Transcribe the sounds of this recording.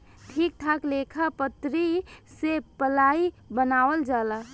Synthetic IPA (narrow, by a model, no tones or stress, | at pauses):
ʈʰik̚ʈʰaklekʰapət̪ɾisepəlai | bənawəld͡ʒala